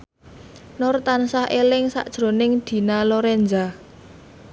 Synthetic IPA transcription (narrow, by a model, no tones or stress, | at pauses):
nɔrt̪ansahʔelɪŋsa̰ʔd̥ʒ̥ɾo̤nɪŋd̪̥i̤naloɾɛnd͡ʒa